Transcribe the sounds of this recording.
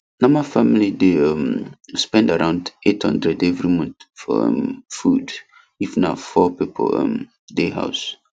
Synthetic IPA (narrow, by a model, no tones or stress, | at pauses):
nɔ̃mafamilideʌ̃mspɛ̃ndaɹãʊ̃ndethʌ̃ndɹɛdevɹimɔ̃ntfɔ̰ʌ̰̃mfud | ifnafɔpipʰo̰ɔ̰m | deɦa̰ʊs